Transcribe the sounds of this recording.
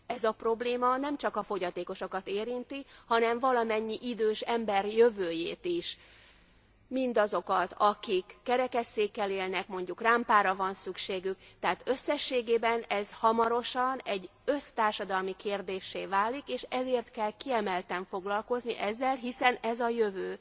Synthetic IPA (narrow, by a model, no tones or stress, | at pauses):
ɛzɒpro̞bleːmɒnɛmt͡ʃɒkɒfo̞ɟɒt̪eːko̞ʃo̞kɒt̪eːɾint̪ihɒnɛɱvɒlɒmɛɲːiʔid̪øːʃɛmbɛrjøvøːjeːt̪iʃ | mind̪ɒzo̞kɒt̪ɒkikːɛɾɛkɛsːeːkːɛleːlnɛkmo̞ɲɟukraːmpaːɾɒvɒnsykʃeːɡykt̪ɛɦaːt̪ø̞sːɛʃːeːɡeːbɛnɛzhɒmɒɾo̞ʃɒnɛɟːø̞st̪aːrʃɒd̪ɒlmikʰeːrd̪eːʃːeːvaːlːikeːʃɛzeːrt̪kɛlkiɛmɛlt̪ɛɱfo̞ɡlɒlko̞zniʔɛzːɛlɦisɛnɛzɒjøvøː